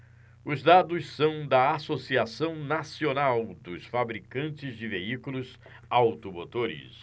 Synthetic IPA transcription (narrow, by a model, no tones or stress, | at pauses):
ʊzd̪ad̪ʊssɐ̃w̃d̪ɐasosiasɐ̃w̃nasionawd̪ʊsfabɾikɐ̃nt͡ʃɪzd͡ʒɪveikulʊz | awt̪omot̪oɾɪ̰s